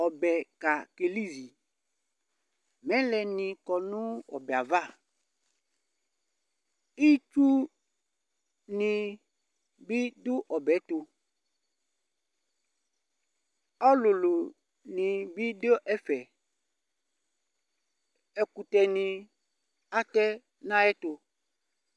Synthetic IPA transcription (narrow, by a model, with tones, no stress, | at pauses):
ɔ˨bɛ˨ka˨ke˨li˦zi˨ | mɛ̃˦lɛ˨nĩ˨kɔ˨nʊ̃˦ɔ˨bɛ˨a˨va˦˨ | i˦t͡ʃu˦ | nĩ˨ | bi˦dʊ˦ʔɔ˨bɛ˨˦t̪u˨ | ɔ˦lu˨lo˨ | nĩ˨bi˦do˦ʔɛ˦fɛ˨ | ɛ˨ku˨t̪ɛ˨nĩ˨ | a˦tɛ˦ | nã˦ɛ˦t̪o˨